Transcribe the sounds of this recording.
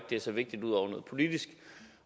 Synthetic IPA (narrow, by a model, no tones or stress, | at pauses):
ɡ̥̚d̥e̝æɐsɒ̽ʋe̝ɡ̥̚d̥id̥uð̞̰ˠɒʊɐnəð̩ˠpʰo̝lid̥isɡ̥